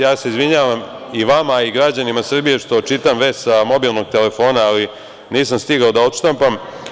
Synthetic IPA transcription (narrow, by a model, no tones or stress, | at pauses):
jaːse̞izʋiɲaːʋam | iʋamaiɡɾad͡ʑanimasr̩bije̞ʂt̪o̞t͡ʃit̪amʋe̞ssamo̞bilˠno̞ɡ̚t̪e̞le̞fo̞ːnaːli | niːsamst̪iɡaod̪ao̞t̪ʃt̪ampam